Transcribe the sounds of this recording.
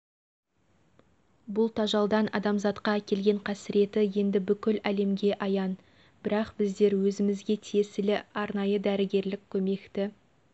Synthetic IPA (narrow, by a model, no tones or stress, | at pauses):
bʊlˠt̪ʰɑʒɑlˠd̪ɑnɑ̰d̪ɑmzɑt̪qɑækʲe̞lɡʲe̞ɴqʰæsɪɾe̞t̪ɪje̞nd̪ɪbʏkʲɪlæle̞mɡʲe̞ʔɑjɑn | b̥ɪɾɑqb̥ɪzd̪e̞ɾwɵzɪmɪzɡʲe̞t̪ʰiesɪlɪɑɾnɑjəd̪æɾɪɡʲe̞ɾlɪkʲʰːɵme̞kt̪ɪ